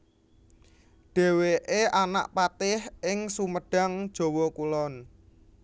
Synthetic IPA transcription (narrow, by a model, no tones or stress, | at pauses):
ɖ̥e̤weʔeʔana̰ʔpat̪ɪhɪŋsuməɖ̥a̤ŋd̥ʒ̥o̤wɔkulɔn